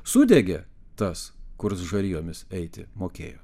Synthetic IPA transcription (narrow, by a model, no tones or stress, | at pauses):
sʊd̪ʲɛɡʲɛ | t̪ɐskʊɾsʒɐlʲiːjoːmʲɪsɛɪt̪ʲɪ̰moːkʲḛːjo̰ː